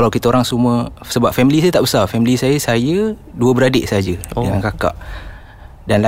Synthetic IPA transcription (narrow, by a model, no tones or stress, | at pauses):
kalawkit̪aoɾaŋsuməsəbap̚fɛmilisajət̪aʔbəsafɛmilisajəsajə | duəbəɾadɪʔsəad͡ʒədəŋankaka̰ʔ | danla